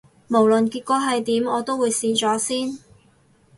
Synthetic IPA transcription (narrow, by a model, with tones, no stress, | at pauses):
mo˨˩wlɵ˨˩nkiː˧t̚kɔː˨˧˥ɦɐ˨jt̪iː˨˥mɔː˨˧t̪o˥wuː˨˧jsiː˨t͡ʃɔː˨˥siː˥n